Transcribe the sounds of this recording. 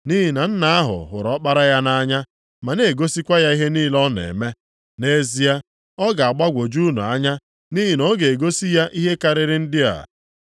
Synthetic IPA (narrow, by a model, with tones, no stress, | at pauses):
ni˦ɦi˨na˨n̩˦na˨a˦ɦʊ̰˨ɦʊ̰˨ɾɔ˨˦k͡pa˦ɾa˦ja˦na˦ɲa˦ | ma˨ne˨ɡo˦si˦kʷa˦ja˦i˦ɦe˦niː˦lɔ˦nḛ˨me˦ | ne˦zi˦ja˦ | ɔ˦ɡa˨a˨ɡ͡ba˦ɡʷo˨d͡ʒu˦nṵ˨a˦ɲa˦ | ni˦ɦi˨no˦ɡe˨e˨ɡo˦si˦ja˦ʔi˦ɦe˦ka˦ɾɪ˦ɾɪ˦n̩˦dɪ˦a̰˨